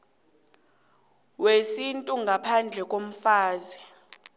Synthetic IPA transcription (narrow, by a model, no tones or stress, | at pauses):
wesintʼuŋɡʱapʰand͡ɮʱɛkʼom̩faːzi